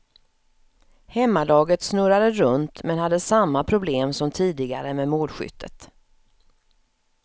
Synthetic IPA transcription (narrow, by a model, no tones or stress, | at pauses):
hɛmːalɑːɡət̪snɵɾad̪əɾɵnt̪mɛnhad̪ːəsamːapʰɾʊbleːmsɔmt̪ʰiːd̪ɪɡa̰ɾəmɛmoːlɧʏ̰t̪ʰːə̰t̪